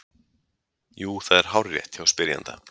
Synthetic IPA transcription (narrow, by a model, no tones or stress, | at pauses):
juːθaðɛɾ̥ɦawɾːjɛ̰ht̪çawspɪɾja̰nt̪a̰